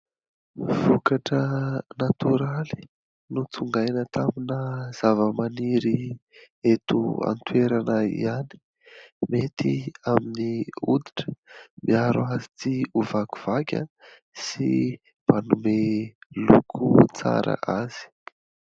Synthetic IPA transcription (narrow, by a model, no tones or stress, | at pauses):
v̥ukaʈ͡ʂənat̪uɾali̥ | nut͡suŋɡajnət̪aminəz̥avəmaniɾi | et̪ua̰nt̪weɾanaḭani̥ | met̪iaminiud̪iʈ͡ʂə̥miaɾuazit̪iuvaku̥v̥akʲə̰ | si | m̥anumelukʰut͡sa̰ɾə̰ʔaz̥i̥